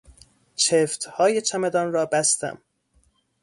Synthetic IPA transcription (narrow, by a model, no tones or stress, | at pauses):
t͡ʃʰeft̪hɒːjet͡ʃʰæmed̪ɒnɾɒːbæst̪æ̰m